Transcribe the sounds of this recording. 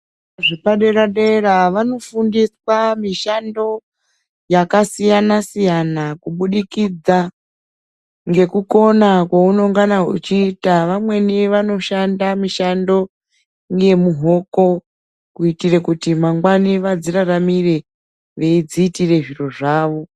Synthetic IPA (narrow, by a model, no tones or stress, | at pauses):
ʐipaɗe̞ɾaɗeraʋano̞fundiswamiʃando̞ | jakasijanasijanakuɓuɗikid͡za | ŋɡe̞kuko̞nakwauno̞ŋɡanaɦṵt͡ʃiːtaʋamwe̞niʋano̞ʃandamiʃando̞ | ŋɡe̞muɦo̞ko̞ | kuitire̞kutimaŋɡwaniʋad͡ziraramire̞ | ʋe̞id͡ziːtire̞ʐiro̞ʐaːʋo̞